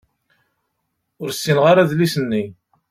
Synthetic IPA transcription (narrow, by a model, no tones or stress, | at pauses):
ʊɾsːinʁaɾaðlisənːi